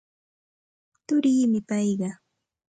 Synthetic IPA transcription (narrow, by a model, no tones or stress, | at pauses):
t̪ʊɾiːmɪpɑjɢɑ